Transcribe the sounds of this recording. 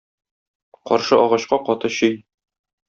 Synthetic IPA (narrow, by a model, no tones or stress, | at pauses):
qɒ̰ɾʃɤʔɒʁɑɕqɑqɒt̪ɤɕɵj